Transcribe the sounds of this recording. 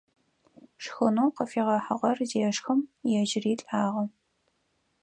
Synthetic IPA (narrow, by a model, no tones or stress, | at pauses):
ʂxɨnuːqəfiːʁɐħəʁɐrzeʃʂxɨmjɛʒɪriːɬʼaːʁɐ